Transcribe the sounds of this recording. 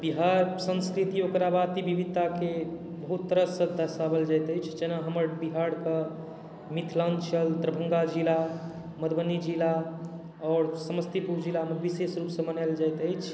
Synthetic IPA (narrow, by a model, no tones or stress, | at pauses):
biɦaɾsə̃nskɾit̪iokɾabat̪ibibit̪ːake | bəɦut̪ːəɾəsəd̪ʱːəsabəld͡ʒajt̪əjt͡ʃʰd͡ʒenaɦəməɾbiɦaɽkə | mit̪ʰlant͡ʃʰəlt̪ɾəbʱə̃ŋɡad͡ʒila | məd̪bənːid͡ʒila | ɔɾsəməst̪ipuɾd͡ʒilaməkbisesɾupsə̃mənajld͡ʒajt̪əjt͡ʃʰ